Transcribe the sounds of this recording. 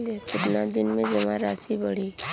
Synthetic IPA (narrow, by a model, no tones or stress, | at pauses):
lekɪt̪nad̪ɪnmẽd͡ʒəmãɾasibəɽiː